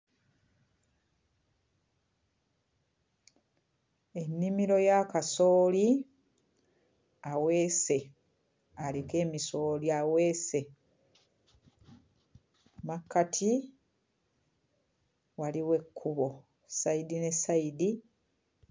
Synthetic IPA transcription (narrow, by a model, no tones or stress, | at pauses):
e̞nːimiɾo̞jakaso̞ːli | awe̞ːse̞ | aleke̞ːmiso̞ːliaweːse̞ | makːatʰi | waliwe̞kʰːuβo̞ | saidine̞saidi